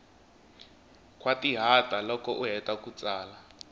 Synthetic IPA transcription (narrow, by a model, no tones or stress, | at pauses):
kʼwatiɦatʼalɔkɔʔuɦɛtʼakut͡saːla